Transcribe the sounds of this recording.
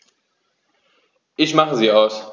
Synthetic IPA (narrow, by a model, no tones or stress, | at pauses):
ʔɪçmaχəziːaʊs